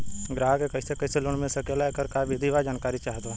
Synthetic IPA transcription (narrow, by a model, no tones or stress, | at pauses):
ɡɾaːɦakekəɪsekəɪseloɽ̃mẽsəkelakəɾkabʱid̪iʋad͡ʒaːnkaːɾit͡ʃaːɦt̪a